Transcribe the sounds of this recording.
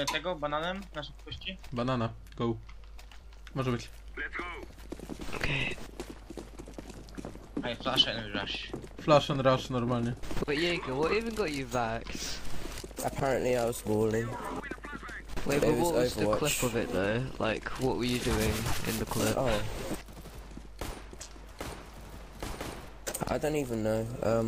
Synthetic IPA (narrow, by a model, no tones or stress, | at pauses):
notʰɛɡobananə̃mðasəkʰwɛst͡ʃə̃nbanana | ɡ̥ow | mɔʒəbɪt͡ɕ | o | okʰe | aɪflaʃaɪ̃nɹa̰ʃflaʃənɾaʃnɔɾmalɲɛ̥b̥ʌʔjeɡəwɔivə̃nɡɔt͡ʃəvaks | ʔəpʰaɹə̃nʔliaɪwɒz̥bɔːlɪ̃ | weɪwəwɔʊzvəðəwkʰl̥ɪpəvɪ̰ʔðəʊlʔa̰ɪkʰwɒʔwəjədʉːɪ̃ŋɪ̰̃nðəkʰl̥ɪoʊ | a̰ɪdõʊ̃ntiːvə̃nːoʊʌ̃m